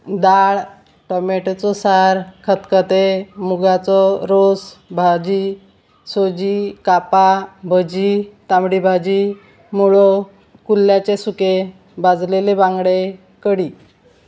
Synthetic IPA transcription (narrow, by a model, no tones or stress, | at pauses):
d̪aɭ | ʈɔmeʈt͡sɔsaɾkʰət̪kət̪emuɡat͡sɔɾosbʱad͡ʑi | sod͡ʑikapabʱəd͡ʑit̪amɽibʱad͡ʑi | muɭɔ | kulːjat͡ɕesuke | bad͡zlelebãŋɡɽe | kəɽi